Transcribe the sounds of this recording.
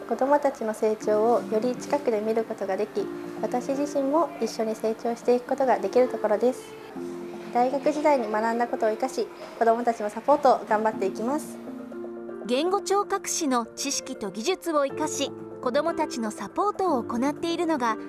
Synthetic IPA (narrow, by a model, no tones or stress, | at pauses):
kod̪o̞mo̞t̪at͡ɕino̞se̞ːt͡ɕo̞ːojo̞ɾʲit͡ɕi̥kakɯ̟d̪e̞mʲiɾɯ̟ko̞t̪o̞ɡad̪e̞kʲiβat̪aɕiʑiɕĩmmo̞iɕːo̞ɲ̟ise̞ːt͡ɕo̞ːɕi̥t̪e̞ikɯ̟̥ko̞t̪o̞ɡad̪e̞kʲiɾɯ̟t̪o̞ko̞ɾo̞d̪e̞sɨ̥ | d̪̥aiɡakɯ̟ʑid̪aiɲ̟imanãnd̪ako̞t̪o̞ːikaɕi | ko̞d̪o̞mo̞t̪at͡ɕino̞sapo̞ːt̪o̞ːɡãmbat̪ːe̞ikʲimasɨ̥ | ɡẽ̞ŋɡo̞t͡ɕo̞ːkakɯ̟̥ɕino̞t͡ɕiɕi̥kʲit̪o̞ɡʲiʑɨt͡sɨo̞ikaɕi | ko̞d̪o̞mo̞t̪at͡ɕino̞sapo̞ːt̪o̞ːko̞nat̪ːe̞iɾɯ̟no̞ɡa